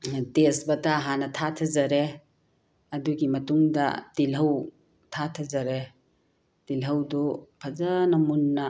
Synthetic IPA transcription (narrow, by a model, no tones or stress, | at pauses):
tesbɐtaɦanɐtʰatʰɐzɐɾe | ɐduɡimɐtuŋdɐ̰tilɦɐw | tʰatʰɐzɐɾe | tilɦɐwdɔpʰɐzɐnɐmunːɐ